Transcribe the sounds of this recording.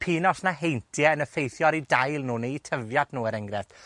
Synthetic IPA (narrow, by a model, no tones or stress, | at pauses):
pʰiːnɔsnaɦejntʰjɛənəfejθjɔɾidajlˠnuːneitʰəvjad̥nuːəɾɛŋɡɾɛf